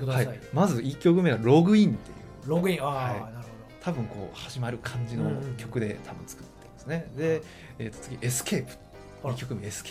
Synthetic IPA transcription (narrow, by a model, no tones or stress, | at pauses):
haiamazɨʔikʲːo̞kɯ̟me̞aɾo̞ɡɯ̟ĩnt̪e̞jɯ̟̰ːɾoɡɯĩahainaɾɯhod̪ot̪ʰabɯ̟̃ŋko̞̰ːhaʑimaɾɯ̟kʰãɲ̟d͡ʑino̞̰kʲo̞kɯ̟d̪e̞̰t̪ʰabɯ̟̃nt͡sɨ̥kɯ̟̥t̪ːeimasɨne̞d̪e̞ | eːt̪ːo̥t͡sɨɡʲiʔesɨ̥kʰeːpɯ̟̥ | ikʲːokɯ̟meesk